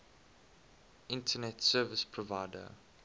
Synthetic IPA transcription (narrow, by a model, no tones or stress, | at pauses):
ʔɪ̃ntʰənɛtsɜːvəspʰɹɔvaɪdə̰